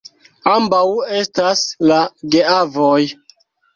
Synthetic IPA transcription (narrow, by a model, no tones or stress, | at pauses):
ambawe̞staslaɡeavoj